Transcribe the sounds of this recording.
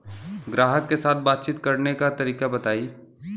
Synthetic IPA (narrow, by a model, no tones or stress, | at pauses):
ɡɾaːɦəkːesaːt̪̚ʰbaːt̪̚t͡ʃit̪kɐɾnekat̪ɐɾiːkabɐt̪aːiː